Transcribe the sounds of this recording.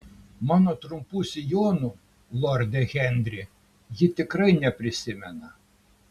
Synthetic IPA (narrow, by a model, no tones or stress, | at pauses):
mɑːnoːt̪ɾʊmpuːsʲɪjoːnu | lˠɔɾʲd̪ʲɛɣʲɛnʲd̪ʲɾʲɪ | jɪt̪ʲɪkɾɐɪnʲɛpʲɾʲɪsʲɪmʲɛnɐ